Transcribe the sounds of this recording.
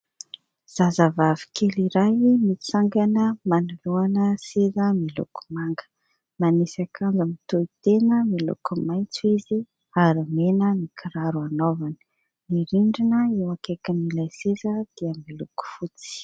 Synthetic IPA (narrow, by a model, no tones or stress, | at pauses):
z̥azavavi̥keliɾajmit͡saŋɡanəmaniluanəsezəmilṵkʰu̥maŋɡə̥ | manisakʰand͡zamit̪oit̪enəmilṵkumajnt͡suizi | aɾimenənikʰiɾaɾuanovanə̥ | niɾiɳɖ͡ʐinəewakekəmilajsezəd̪̥iəmiluku̥fut͡si̥